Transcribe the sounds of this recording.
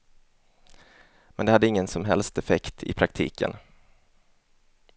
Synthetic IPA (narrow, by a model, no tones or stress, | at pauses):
mɛ̰nd̪ɛhad̪ːəɪŋːənsɔmɦɛlst̪ɛfɛkt̪ʰɪ̰pʰɾak̚t̪ʰḭːkʰə̰n